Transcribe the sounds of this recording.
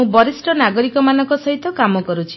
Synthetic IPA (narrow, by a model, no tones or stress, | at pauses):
ũbɔɾisʈɔnaɡɔɾikɔmanɔ̃ŋkɔsɔɦit̪ɔkamɔkɔɾut͡ʃʰi̥